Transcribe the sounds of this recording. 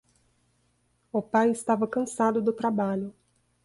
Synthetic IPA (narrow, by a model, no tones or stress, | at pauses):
ʊpajɪst̪avɐkɐ̃sad̪ʊd̪ʊt̪ɾabaʎʊ